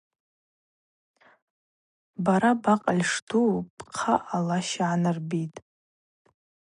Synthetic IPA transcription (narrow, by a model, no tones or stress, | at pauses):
baɾabaqʼalʲʂtʰupʰʼqʰaʔalaʃaʕanɨrbitʼ